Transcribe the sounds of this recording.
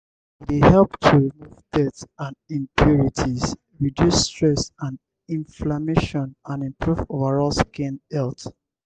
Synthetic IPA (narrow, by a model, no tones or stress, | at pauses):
dehɛlptʰuɹimuvdɛtsãnĩmpʰjuɹitʰiz | ɹidjustɹɛsãn | ĩnflameʃɔ̃nãnɛ̃mpʰɹuvovəɹɔlskĩnɛlt